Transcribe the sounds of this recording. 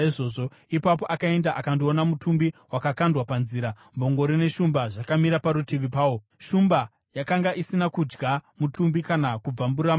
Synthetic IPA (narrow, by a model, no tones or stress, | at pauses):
iʐoːʐo | ipap̬o̞ʔakae̞ndaʔakandio̞namutʰumbiwakakandwapanziːɾa | mbo̞ŋɡoɾine̞ʃumbaʐakamiɾapaɾutiʋipaːwo | ʃumba | jakaŋɡaʔisinakud͡ʒɡamutumbikanakub͡vamburɾam